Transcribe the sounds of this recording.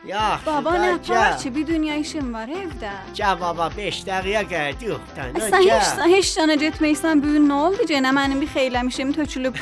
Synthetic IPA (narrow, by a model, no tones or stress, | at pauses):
jɑbɑbɑnæpʰaɾt͡ʃʰibid̪ynjɑiʃimvɑɾhevd̪æ | d͡ʒævɑbɑbeʃd̪æɣijɑɡæd̪ijoχt̪æ̰nsænhet͡ʃ̪aɦet͡ʃjɑnɑd͡ʒet̪ʰmæjsæmbyjynːæolˠd̪ɯd͡ʒenæmænimbixejlæmiʃimt̪ʰøt͡ʃʰylyb